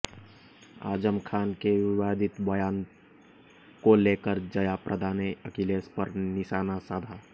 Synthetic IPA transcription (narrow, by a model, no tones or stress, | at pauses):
a̰ːd͡ʒəmkʰaːnkeʋɪwaːd̪ʱɪt̪bəjaːn | koleːkəɾd͡ʒəjapɾʔəd̪ʱaːneəkileːspəɾnɪʃaːnasaːd̪ʱaː